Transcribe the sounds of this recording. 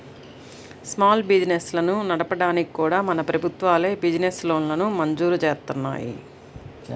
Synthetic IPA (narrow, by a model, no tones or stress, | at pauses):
smaːlbid͡ʒineslɐnunɐɽɐpɐɽaːnikikuːɽaːmɐnɐpɾɐbʱut̪ʋaːle̞ːbid͡ʒineslo̞ːnlɐnumɐɲd͡ʒuːɾut͡ʃeːst̪unːa̰ːjḭ